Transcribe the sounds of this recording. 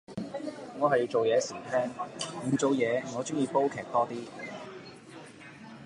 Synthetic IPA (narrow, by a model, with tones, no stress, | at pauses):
ŋɔː˨˧hɐ˨ji˧wt͡ʃo˨wjɛː˨˧siː˨˩t̪ʰɛː˥ŋm̩˨˩t͡so˨˧wjɛː˨˧ŋɔː˨˧t͡ʃʊ˥ŋjiː˨˧wpo˥wkʰɛː˨˩k̚t̪ɔː˥t̪iː˥